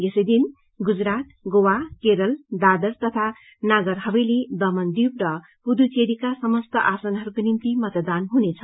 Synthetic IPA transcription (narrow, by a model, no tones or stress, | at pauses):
jesʌjd̪in | ɡud͡zɾat̪ɡowakeɾʌld̪ad̪ʌst̪ʌt̪ʰa | naɡʌɾɦʌbʌjled̪ʌmʌnd̪ib̚rʌ | pud̪ut͡seɾikasʌmʌst̪ʌʔasʌnɦʌɾukonint̪imʌt̪d̪anɦunet͡sʰʌ